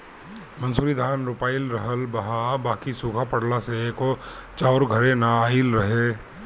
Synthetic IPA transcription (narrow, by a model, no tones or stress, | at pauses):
mɐ̃nsuːɾid̪ʱaːnɾʊpaːɪlɾɐɦəlbɐɦãbaːkisuːkʰapɐɽlaseekot͡ʃaʊɾɡʱɐɾẽnaaːɪlɾɐɦe